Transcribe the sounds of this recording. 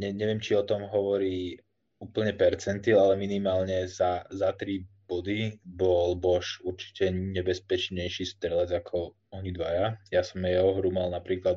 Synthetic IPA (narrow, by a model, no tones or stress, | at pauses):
ɲɛɲɛʋɪɛmt͡ʃiɔt̪ɔmɦɔʋɔɾiː | uːpl̩ɲɛpɛɾt͡sɛnt̪ilalɛminimaːlɲɛzazat̪ɾib̥ɔd̪ibɔlbɔʃuɾt͡ʃi̥cɛɲɛbɛspɛt͡ʃɲɛjʃiːst̪ɾɛlad͡zakʰɔ | ɔɲid̪ʋajajasɔmjɛɦɔɦɾumalnapɾiːkla